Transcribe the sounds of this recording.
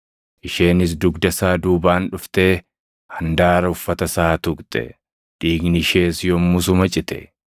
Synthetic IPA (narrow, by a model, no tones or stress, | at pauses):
ʔɪʃe̞ːnɪs̬d̪ʊɡd̪ɐsaːd̪uːbaːnᶑʊft̪e̞ː | hɐnd̪aːɾɐʊfːɐt̪ɐsaːt̪ʊkt̪ʼɛ̰ | ᶑ̪ʼiːɡnɪʃeːsjɔmːʊs̬ʊmɐt͡ʃʼɪt̪ɛ̰